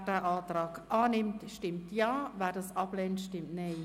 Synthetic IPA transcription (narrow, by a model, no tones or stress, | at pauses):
d̥ɛʔaːtɾaːkʔaːnɪmtʃtɪmtjaːvɛːdɑsɑplɛːntʃtɪmtneɪ